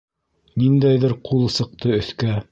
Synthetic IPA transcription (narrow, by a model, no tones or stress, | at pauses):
nind̪æjðɘɾqʰulˠɤ̆sɤ̆q̚t̪ɤɵ̆θkæ